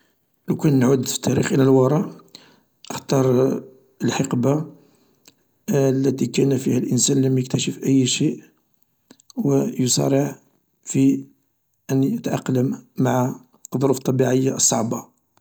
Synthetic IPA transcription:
ləkænːʕud̪fi̥t̪ʰːæɾḭxʔələlwɑɾˤɑ | ʔəxt̪ɑɾˤ | əlħɑqba | lːæt̪ikænfihælʔənsænləmjəkt̪æʃəfʔəjːʃiʔ | wəjosˤɑ̰ɾˤəʕ | fi | ʔənjət̪ʕɑ̰qːləmːaʕa | ðˤʊɾuft̪ˤːɑbiʕəjːasˤːɑ̰ʕbɑ

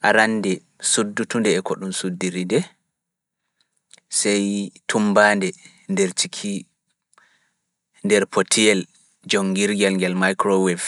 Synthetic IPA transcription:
ʔaɾanːdɛ | sudːutundɛːkɔɗumsudːiɾidɛ | sɛjtʰumbaːndɛ | ndɛɾt͡ʃikʰi | ndɛɾpʰotʰijɛl | d͡ʒɔŋɡiɾɡɛlŋɡɛlmajkɾowɛf

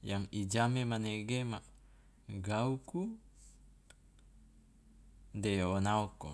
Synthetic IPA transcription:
jaŋid͡ʒamemaneɡemaʔ | ɡauku | dejawonaoko̰

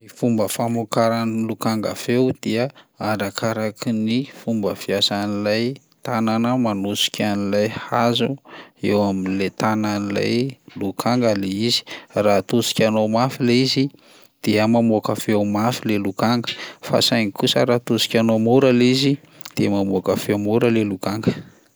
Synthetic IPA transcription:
ifumbəfamokaɾanlukaŋɡa̰fewd̪̥iəaɾakaɾakinifumbəfiasanilaj | t̪ananəmanusi̥kʰʲanilajhazuewaminlet̪ananila̰jlukʰaŋɡaleizi̥rat̪usi̥kʲanomafileizi | d̪̥iəmamokafewmafilelukaŋɡəfa̰sajŋikusə̰ɾat̪usi̥kʲanomuɾalizi | d̪̥iəmamokafewmuɾəlelukaŋɡə

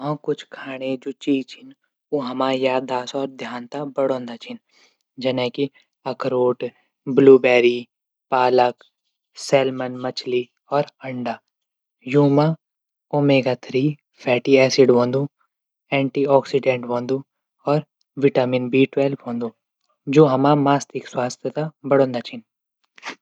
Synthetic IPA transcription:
ɦãkʊt͡ʃʰkʰaːɽ̃ed͡ʒoːt͡ʃiːt͡ʃʰɪn | oɦɐmaːjaːd̪aːsɔːɾd̪ʱjaːnt̪abɐɽõːnd̪at͡ʃʰɪn | d͡ʒɐnɛ̃ki | ɐkɾoːʈ | bluːbɛːɾi | paːlək | sɛːlmənmɐt͡ʃʰli | ɔːɾɐ̃ɳɖaː | juːma | oːmeːɡat̪ʰɾiː | pʰɛːʈiɛːsɪɖɦõːnd̪ũ | ɛ̃ːɳʈiːɔːksiɖẽːɳʈʋõːnd̪u | ɔːɾ | ʋɪʈaːminbiːʈwɛːlpõːnd̪ũ | d͡ʒoːɦɐmamaːst̪ɪkswaːst̪ʰjət̪abɐɽõːnd̪aːt͡ʃʰɪn

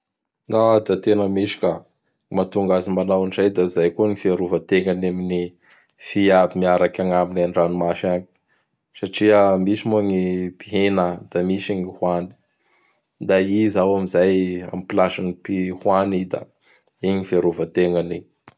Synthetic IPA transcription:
nad̪at̪enəmeʃi̥ka | mat̪uŋɡazimanawanizajd̪aizajkuənifiaɾuvət̪eŋanamini | fiabimiaɾakʲaŋaminanɖ͡ʐanimaʃaɲi̥ | saʈ͡ʂiəmisimuaŋipiɦenəd̪̥amisaŋihwani̥ | d̪aizawamizaja̰mipilaʃanipihwanid̪a̰ | iɲifiaɾuvət̪eŋani

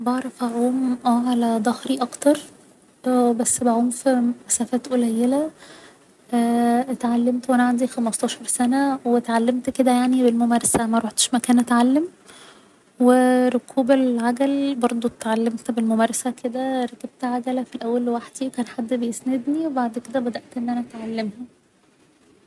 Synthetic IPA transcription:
bɑʕɾˤɑfæʕuːmʔæʕalæd̪ˤɑhɾiʔɑkt̪ɑɾˤ | bæsːbæʕuːmfiʔæsæfæːt̪ʔolæjːelæ | ʔæːt̪ʕalːemt̪wʔænæʕand̪ixæmɑst̪ɑːʃɑɾˤsænæwet̪ʕalːemt̪ked̪æjaʕnibelmomæːɾˤɑsæmæɾˤoħt̪ʃmækæːnʔæt̪ʕalːem | weɾokʰuːbelʕaɡ̪ælbɑɾˤd̪ˤot̪ʕalːemt̪belmomæːɾˤɑsæked̪æɾˤɑkeb̚t̪ʕaɡ̪ælæfilʔæwːælwaħd̪̥iwkæːnħad̪ːbejesned̪niwebaʕd̪ked̪æbæd̪æʔt̪ʔenːʔænæʔæt̪ʕalːemhæ

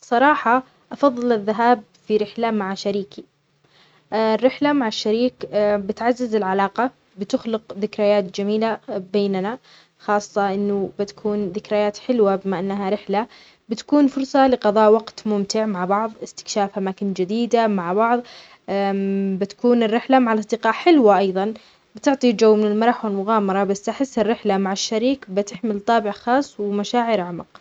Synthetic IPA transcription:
sˤɑɾˤɑːħɑ | ʔɑfɑðˤːɨlɪðːaɦaːb̚ | fiɾɪħlamaʕaʃaɾiːki | rːɪħlamaʕaʃːaɾiːkbɪt̪ʕazːɪzɪlʕalaːqɑ | bɪt̪ʊxlɪqðɪkɾajaːt̪d͡ʒamiːlabeːnana | xɑːsˤːɑʔɪnːʊbɪt̪ḁkʰuːnðɪkɾajaːt̪ħɪlwabɪmaʔanːaɦaɾɪħla | bɪt̪ḁkuːnfʊɾsˤɑlɪqɑðˤɑːʔwɑɡt̪mʊmt̪ɪʕmaʕbɑʕðˤɪst̪ɪ̥kʃaːfʔamaːkɪnd͡ʒɪd̪iːd̪amaʕbɑʕðˤ | bɪt̪ḁkuːnɪrːɪħlamaʕalʔɑsˤd̪ɪqɑːʔħɪlwaʔɑjðˤɑn | bɪt̪ɪʕt̪ˤid͡ʒawːmɪnɪlmɑɾˤɑħwɪlmʊɣaːmɑɾˤɑbasːt̪aħɪsːɪrːɪħlamaʕɪʃːaɾiːkbɪt̪ɪħmɪlt̪ˤɑːbɪʕxɑːsˤːwɪmaʃaːʕɪɾʕamɑq

